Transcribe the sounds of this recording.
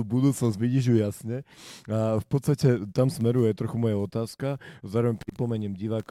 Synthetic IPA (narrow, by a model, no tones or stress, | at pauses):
ubud̪uːt͡snɔzbiciʒujasɲɛafpɔt̪st̪acɛt̪amsmɛɾujɛt̪ɾɔxumɔjaɔt̪aːskazaːɾɔʋɛɲpɾipɔmɛɲɛmɟiʋaːk